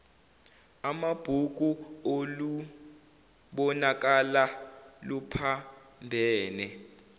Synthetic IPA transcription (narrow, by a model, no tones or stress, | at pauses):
amab̥ʱuk̬uolu | ɓɔnak̬alalupʰambʱɛːnɛ